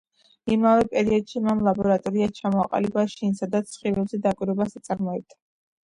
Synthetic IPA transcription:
imavɛpʼɛɾiɔd̪ʃimamlˠabɔɾat̪ʼɔɾiat͡ʃʰamɔaqʼa̰libaʃinsad̪at̪sʰχivɛbzɛd̪akʼwiɾɔbasat̪sʼaɾmɔɛb̚d̪̥a

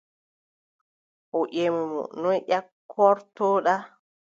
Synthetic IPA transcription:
ʔɔʔemɛmɔ̰nɔjʔakʰːɔɾtɔɗa

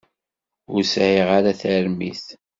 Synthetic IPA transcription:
ʊɾsʕiʁaɾaθæɾmḭθ

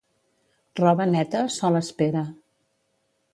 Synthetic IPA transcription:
rɔβənɛt̪əsɔləspeɾə

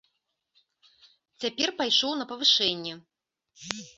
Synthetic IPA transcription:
t͡sʲapʲɛrpajʂɔwn̪ɐpɐvɨʂɛnʲːɛ

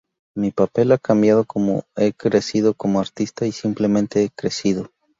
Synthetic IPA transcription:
mipape̞lakambjaðo̞ko̞mo̞e̞kɾe̞siðo̞ko̞moaɾt̪ist̪aisimple̞mẽ̞nt̪e̞ekɾe̞siðo̞

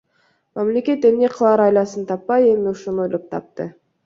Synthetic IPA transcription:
mamle̞kʲe̞t̪emne̞qʰlˠɑɾɑjlˠɑsɯnt̪ʰɑpːɑje̞miuʃunojlˠop̚t̪ʰɑ̰p̚t̪ɯ

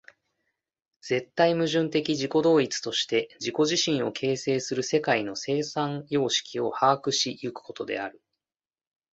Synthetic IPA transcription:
d͡z̥e̞t̪ːaimɯ̟ʑɨ̃nt̪e̞kʲiʑiko̞d̪o̞ːit͡sɨ̥t̪o̞ɕi̥t̪e̞d͡ʑiko̞ʑiɕĩɰ̃o̞kʰe̞ːse̞ːsɨɾɯ̟se̞kaino̞se̞ːsãŋjo̞ːɕi̥kʲio̞haːkɯ̟ɕijɯkɯ̟̥ko̞t̪o̞d̪e̞̰aɾɯ̟

